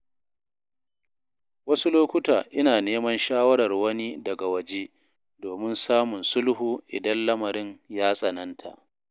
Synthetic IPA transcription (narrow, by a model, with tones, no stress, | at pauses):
wɐ˦su˦loː˦kʷʊ˦taː˨ʔɪ˦naː˨neː˦mɐ˦nʃaː˦wɐ˦ɾɐ˨rwɐ˦ni˦dɐ˨ɡa˨wɐ˨d͡ʒeː˦ | doː˨mɪ˦nsaː˦mʊ˨nsʊ˦lhuː˨ʔɪ̰˨dɐ˦nlɐ˦mɐ˨ɾɪ˦njaː˦sʼɐ˨nɐ˦ntʰa̰˨ʔ